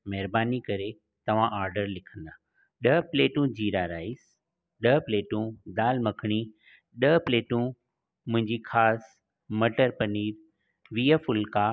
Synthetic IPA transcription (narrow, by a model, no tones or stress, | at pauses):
mɛɦɾbaːnikɐɾe | t̪ɐʋ̤ãʔaːɾɖəɾlɪkʰə̃nd̪aː | ɗəpleːʈũd͡ʑiːɾaɾaːɪs | ɗəpleːʈũd̪aːlmɐkʰɽ̃i | ɗəpleːʈũ | mʊ̃ɦɪ̃ɲd͡ʑixʰaːs | mɐʈəɾpɐniːɾ | ʋiːəfʊlka